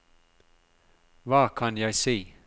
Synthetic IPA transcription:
ʋɑːkʰɑnjæɪseː

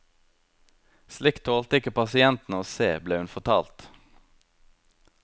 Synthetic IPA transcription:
slɪkt̪ʰoːlt̪əɪkəpɑsɪɛnt̪n̩oːseːbleːʉnfɔt̪ʰɑːlt̪

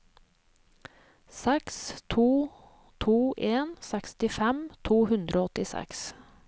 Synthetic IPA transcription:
sɛkst̪ʰuː | t̪ʰuːʔeːnsɛkst̪ɪfɛmt̪ʰuːhʉnd̪ɾʔoːɔt̪ɪsɛ̰ks

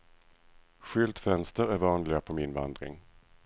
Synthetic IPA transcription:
ɧʏlt̪fɛnst̪əɾæɾvɑːnlɪɡapʰɔmɪnvand̪ɾɪ̰ŋ

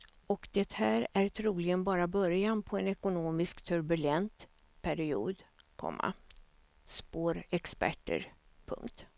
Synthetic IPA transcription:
ɔkd̪ɛt̪hæːɾæɾt̪ʰɾuːlɪɡənbɑːɾabœɾjanpʰɔɛnɛkʊnoːmɪskt̪ʰɵɾbɵlɛnt̪ | pʰæɾɪṵːd̪kʰɔ̰mːa̰ | spoːɾɛkspæ̰ʈːə̰ɾpʰɵ̰ŋkt̪

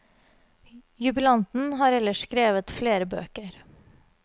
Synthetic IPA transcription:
jʉbɪlɑnt̪n̩ɦɑːɾɛlːəʂkɾeːʋət̪fleːɾəbø̰ːkəɾ

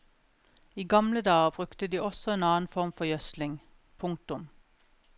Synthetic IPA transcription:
iːɡɑmləd̪ɑːəbʁʉkt̪əd̪iːɔsɔeːnɑːn̩fɔʁmfɔjœslɪŋ | pʰʊŋk̚t̪ʊm

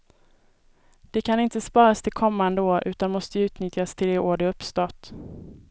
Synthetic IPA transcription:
d̪̥ɛkʰanɪnt̪əspɑːɾast̪ʰɪlkʰɔmːand̪əoːʔʉ̟ːt̪anmɔst̪əʉ̟ːt̪nʏt̪jast̪ʰɪlɛoːɖɪɵpːst̪ɔt̪

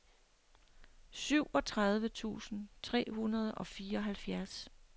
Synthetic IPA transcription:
syʊ̰ɒ̽t͡sʰʁɑð̞ˠʋət͡sʰṵːsn̩t͡sʰʁɛ̰ːhunɐð̞ˠɒ̽fiːɐɒ̽ɦælfjæɐs

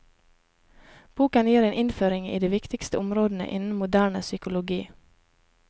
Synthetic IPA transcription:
b̥uːkɑnjiːɾeːnɪnføːɾɪŋḭːd̪eːʋɪkt̪ɪkst̪əʊmɾoːd̪n̩ə̰ʔɪnn̩mʊd̪æːɳəsʏkʊlʊɡiː

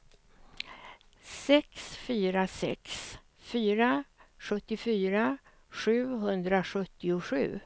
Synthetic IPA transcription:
sɛksfyːɾasɛ̰ks | fyːɾaɧɵt̪ːɪfyːɾa | ɧʉ̟ːɦɵnd̪ɾaɧɵt̪ːɪʊɧʉ̟̰ː

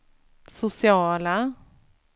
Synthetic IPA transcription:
sʊsɪɑːla

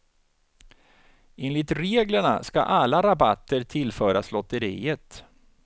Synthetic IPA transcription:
eːnlɪt̪ɾeːɡləɳa̰ska̰ʔalːaɾabat̪ːəɾt̪ʰɪlːfœːɾaslɔt̪ːəɾḭːət̪

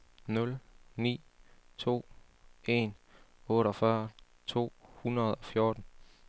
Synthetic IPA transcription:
nɔ̽lnḭːt͡sʰo̝̰ː | e̝n | ɔ̽ːɾɒ̽fɶɐ | t͡sʰo̝̰ːhunɐð̞̩ˠɒ̽fjo̝ɐd̥n̩

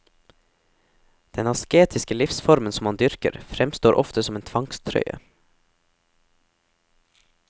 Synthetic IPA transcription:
d̪̥ɛnɑskeːt̪ʰɪskəlɪfsfɔɾmənsɔmɑnd̪ʏɾkə̰ɾfɾɛmst̪oːɾʔɔ̰ft̪əsɔmeːnt̪ʰʋɑŋst̪ʰɾœ̰ʏə̰

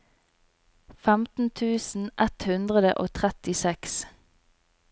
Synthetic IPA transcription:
fæmt̪n̩t̪ʰʉːsn̩ʔɛt̪hʉnd̪ʁəd̪ə̰ʔoːt̪ʰʁɛt̪ɪsɛks

